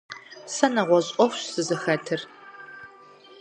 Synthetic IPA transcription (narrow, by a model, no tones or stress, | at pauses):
sɐnɐʁʷɔɕʼɔxʷɕz̥ɨzɨxɐtʰɨr